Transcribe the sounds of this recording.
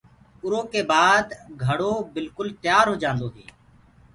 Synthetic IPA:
ʊɾoːkeːbaːd̪ɡʱəɽoːbɪlkʊlt̪jaːɾɦoːd͡ʒãːnd̪oːɦḛː

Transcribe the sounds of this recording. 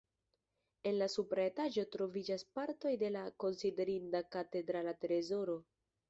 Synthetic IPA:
e̞nlasupɾaetaʒo̞tɾo̞vid͡ʒaspaɾto̞jde̞lako̞nside̞ɾindakate̞dɾalateɾezo̞ɾo̞

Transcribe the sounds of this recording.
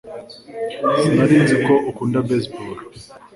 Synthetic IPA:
naɾiːnzikoʔukuːndabesboːl

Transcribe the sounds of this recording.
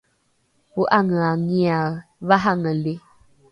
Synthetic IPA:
uʔaŋəaŋiaβaɦaŋəli

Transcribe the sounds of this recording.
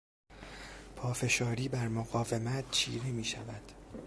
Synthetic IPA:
pʰɒːfe̞ʃɒːɾiːbæɾmoɣɒːve̞mæt̪ʰt͡ʃʰḭːɾemiːʃævæd̪̥

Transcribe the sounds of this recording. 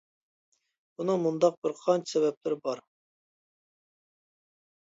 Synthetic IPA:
b̥unɨmund̪ɑq̚bɪɾqʰɑnt͡ʃʰi̥sɛbɛp̚lɪɾbɑɾ

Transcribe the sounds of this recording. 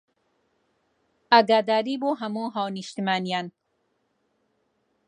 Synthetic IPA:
aɡad̪aːɾiboɦamuɦawniʃt̪imaːnijan

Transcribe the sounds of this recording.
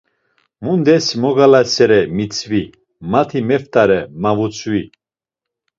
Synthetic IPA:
mund̪ɛsimɔɡalasɛɾɛmit͡sʰvi | mat̪ʰimɛft̪ʰʼaɾɛmavut͡sʰwi

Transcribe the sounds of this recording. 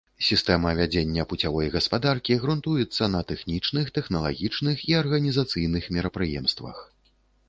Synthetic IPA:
sʲist̪ɛmɐvʲad͡zʲenʲːɐput͡sʲavɔjɣɐspad̪arkʲiɣɾunt̪ujɛt̪sːɐnɐt̪ɛxnʲit͡ʂnɨxt̪ɛxnɐlˠa̰ɣʲit͡ʂnɨxiɐrɣɐnʲizat̪sɨjnɨxmʲɛɾɐpɾɨjɛmst̪vɐ̰x

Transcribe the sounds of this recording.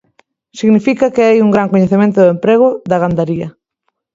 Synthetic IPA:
siɣnifikɐkeajuŋɡɾaŋkoɲeθemẽnt̪ʊðempɾeɣ̞ʊðɐɣand̪aɾiɐ

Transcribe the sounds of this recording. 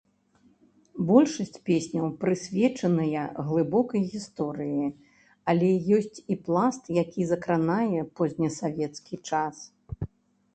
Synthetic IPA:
bɔlʲʂɐsʲt͡sʲpʲesʲnʲɐwpɾɨsʲvʲɛt͡ʂɐnɐjɐɣlˠɨbɔkɐjɣʲist̪ɔɾɨji | ɐlʲɛjɔsʲt͡sʲiplˠast̪jakʲizɐkɾanajɛpɔzʲnʲɐsavʲɛt̪skʲit͡ʂas

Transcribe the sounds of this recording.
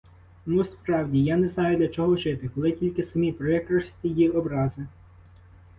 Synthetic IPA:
nuspɾɑwdʲijanɛznɑjʊd̪lʲɐt͡ʃɔɦɔʒɪt̪ɪkɔlˠɪtʲilʲkɪsɐmʲipɾɛkɾɐsʲt̪ʲijiɔbɾɑzɪ

